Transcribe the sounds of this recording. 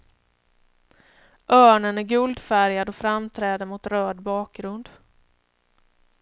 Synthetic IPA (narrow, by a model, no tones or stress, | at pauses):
ʔœːɳənæɾɡɵld̪fæɾjad̪ɔfɾamt̪ʰɾɛːd̪əɾmʊt̪ɾœːd̪bɑːk̚ɡɾɵnd̪